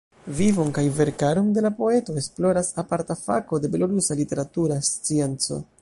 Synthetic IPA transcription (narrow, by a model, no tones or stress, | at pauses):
vivo̞nkajve̞ɾkaɾo̞nde̞lapo̞e̞to̞esplo̞ɾasapaɾtafa̰ko̞de̞be̞lo̞ɾusalite̞ɾatuɾast͡sie̞nt͡so̞̰